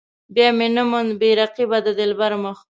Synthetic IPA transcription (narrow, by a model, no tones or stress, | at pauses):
bjɑmenəmʊnbeɾaqibad̪əd̪ɪlbaɾməx